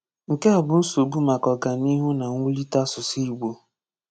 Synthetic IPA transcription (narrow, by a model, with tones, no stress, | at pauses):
ŋ̩˨ke˦a˨bʊ˨˦n̩˦so˨ɡ͡bu˦ma˨kɔ˨ɡa˨ni˦ɦu˦na˨ŋʷu˦li˦ta˦sʊ˨si˦ɡ͡bo˨